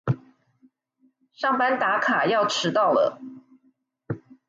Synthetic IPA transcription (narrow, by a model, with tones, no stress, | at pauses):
ʂɑ˥˩ŋpa˥nt̪a˧˥kʰa˨˩jɑ˥˩ʊʈ͡ʂʰɻ̩˧˥t̪ɑ˥˩ʊlə̰˩